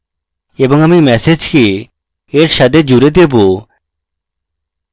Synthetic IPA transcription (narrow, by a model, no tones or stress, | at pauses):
eboŋamimɛsed͡ʑke | eɾʃat̪ʰed͡ʑuɾed̪ebo